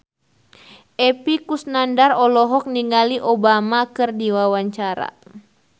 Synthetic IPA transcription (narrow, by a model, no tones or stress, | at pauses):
ʔɛpikusnandarɔlɔɦɔk̚niŋaliʔobamakɨrdiwawaɲt͡ʃaɾa̰